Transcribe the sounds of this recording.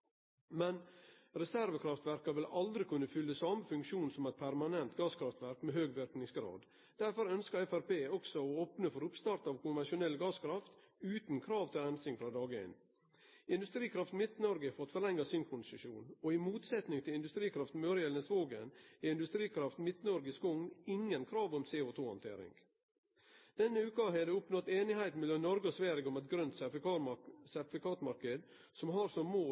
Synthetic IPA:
mɛnɾɛsæɾʋəkʰɾɑft̪ʋæɾkɑʋɪlɑld̪ɾɪkʰʉnːəfʏlːəsɑməfʉŋkʃuːnsɔmɛɪt̪̚pʰæɾmɑnɛnt̪ɡɑːskʰɾɑft̪ʋæɾkmeɦøːɡʋɪɾknɪŋsɡɾɑ̰ːd̪ | d̪̥æɾfɔɾœnskəɛfæɾpeːɔksɔɔoːpnəfɔɾʊpst̪ɑɾt̪ɑːʋkʰʊmʋænʂʊnɛlɡɑːskʰɾɑft̪ | ʉːt̪n̩kʰɾɑːʋt̪ʰɪlɛnsɪŋfɾɑːd̪ɑːɡḛːn | ɪnd̪ʉst̪ɾiːkʰɾɑft̪mɪt̪nɔɾɡəfɔɾɑt̪fɔlɛŋːɑsɪnkʰʊnsɪʃṵːnɔɪmuːt̪sɛt̪nɪŋt̪ʰɪlɪnd̪ʉst̪ɾiːkʰɾɑft̪møːɾɪɛlnəsʋoːɡə̰næɪnd̪ʉst̪ɾiːkʰɾɑft̪mɪt̪nɔɾɡəskʊŋnɪŋːənkʰɾɑːʋɔmseːʊt̪ʰuːhɑ̰nt̪ʰḛːɾɪ̰ŋ | d̪̥ɛnːəʉːkɑɦɛd̪ɛʊpnɔt̪eːnɪhæɪt̪n̩mɪlɔnnɔɾɡɔsʋæɾɪɡɔmɛt̪̚ɡɾœnt̪ | sæɾt̪ɪfɪkʰɑːt̪mɑɾkəd̪ | sɔmɦɑɾsɔmːoː

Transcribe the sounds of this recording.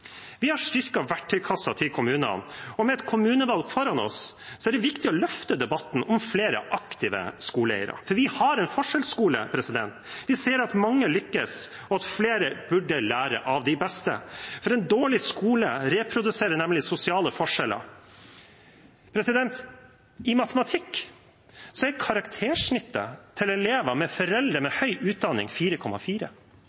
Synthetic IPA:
ʋɪhɑʂʈ̪ʏɾkɑʋæʈʰːɪlkʰɑsːɑt̪ʰɪlkʰʊmʉːnə̰nɔmɛɛt̪kʰʊmʉːnəʋɑlɡfɔɾɑnɔ̰ssɔæɖɛʋɪkt̪ɪɔlœft̪əd̪ɛbɑt̪n̩ʔɔmfleːɾə̰ʔɑkt̪ɪʋə̰skuːləɛ̰ɪə̰ɾɑ̰fɔɾʋɪhɑɾɛnfɔʂɛlskuːlə̰pʰɾɛsɪd̪ɛnt̪ʋɪseːɾɑt̪mɑŋːəlʏkːəs | ɔɑt̪fleːɾəbʉɖːəlæːɾə̰ʔɑʋd̪ɪbɛst̪ə̰fɔɾɛnd̪oːɭɪskuːləɾɛːpʰɾʊd̪ʉseːɾənɛmlɪsʊsɪɑːləfɔʂɛlə̰ | pʰɾɛsɪd̪ɛnt̪ | ɪmɑt̪əmɑt̪ʰɪkː | sɔɛkʰɑɾɑkt̪ʰeːʂɳɪt̪ːət̪ʰɪlɛleːʋɑmɛfɔɾɛld̪ɾəmɛhœʏʔʉːt̪̚d̪ɑnːɪ̰ŋfiːɾəkʰɔmːɑfiːɾə̰

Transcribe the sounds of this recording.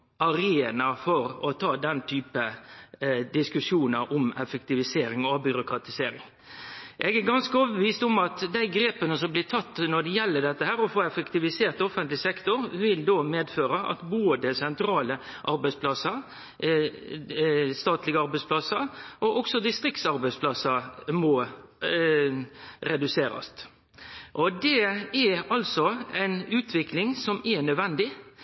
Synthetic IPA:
ɑɾeːnɑfɔɾɔt̪ʰɑːd̪ɛnt̪ʰyːpə | d̪ɪskʉʂjuːnəɾʔʊmɛfəkt̪ɪʋɪseːɾɪŋɔbʏɾʊkɾɑt̪ɪseːɾɪ̰ŋ | ʔɛɡæɾɡɑnskəoːʋəəʋiːst̪ʊmɑt̪d̪æɪɡɾeːpənəsɔmblɪt̪ʰɑt̪ːnɔɖ̪ɛjɛlːəɖ̪ɛt̪ːəhæːɾɔfoːɛfəkt̪ɪʋɪseːɾt̪ɔfənt̪lɪsɛkt̪ʊɾʋɪld̪oːmeːd̪føːɾəʔɑ̰t̪boːd̪əsɛnt̪ɾɑːləʔɑɾbæɪspʰlɑsəɾ | st̪ɑːt̪lɪɡəɑɾbɛɪspʰlɑsəɾʔɔʔɔksɔd̪ɪst̪ɾɪkt̪sɑɾbæɪspʰlɑsɑɾmɔ | ɾɛd̪ʉseːɾɑ̰st̪ | ʔɔd̪ɛɛɑlsɔɛɪnʉːt̪ʰʋɪklɪŋsɔmɛnœd̪ʋɛnd̪ɪ

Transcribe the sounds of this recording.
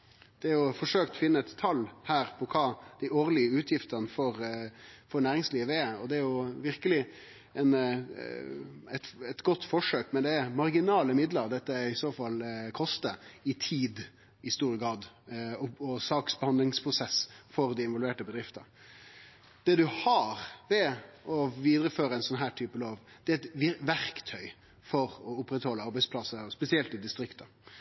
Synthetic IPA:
d̪̥ɛæɾjʊfɔʂøːkt̪ɔfɪnːəɛt̪ʰːɑlːhæːɾpʰɔkʰɑːd̪̥æɪoːɾlɪəʉːt̪ʰjɪft̪ənəfɔɾfɔɾnæːɾɪŋsliːʋəɛɔd̪ɛæɾjʊʋɪɾkəlɪ | ɛn | ɛt̪ɛt̪ɡɔt̪ːfɔʂøːkmɛnd̪ɛmɑɾɡɪnɑːləmɪd̪ləɾd̪ɛt̪ːəɪsoːfɑlkʰɔst̪əɪt̪ʰiːd̪ | ɪst̪uːɾəɡɾɑːd̪ | ɔɔsɑːksbəhɑnd̪lɪŋspʰɾʊsɛsfɔɾd̪ɪɪnʋɔlʋeːʈəbəd̪ɾɪft̪ə | d̪̥ɛd̪ʉhɑɾʋɛɔʋiːd̪ɾəføːɾəɛɪnsɔnɦæːʈʰyːpəloːʋd̪̥ɛɛɪt̪ʋɪʋæɾkt̪ʰœʏ | fɔɾɔʊpːɾɛt̪hɔlːəɑɾbæɪspʰlɑsəspɛsɪɛlt̪ɪd̪ɪst̪ɾɪkt̪ə

